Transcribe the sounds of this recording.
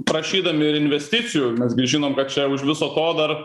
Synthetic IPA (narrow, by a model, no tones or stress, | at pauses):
pɾɐʃʲiːd̪ɐmʲɪɪɾɪnʲʋʲɛsʲt̪ʲɪt͡s̪ʲɪjumʲɛsɡʲɪʒʲiːnoːmkɐt̪̚t͡ʃʲɛʊʃʋʲɪsoːt̪oːd̪ɐr